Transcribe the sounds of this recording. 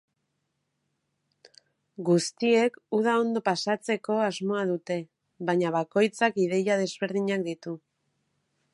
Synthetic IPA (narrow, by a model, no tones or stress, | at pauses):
ɡust̪ie̞kuð̞ao̞nd̪o̞pasat͡se̞ko̞azmo̞að̞ut̪e̞ | βaɲaβ̞ako̞jt͡sakiðe̞jað̞e̞zβe̞ɾð̞iɲakd̪it̪u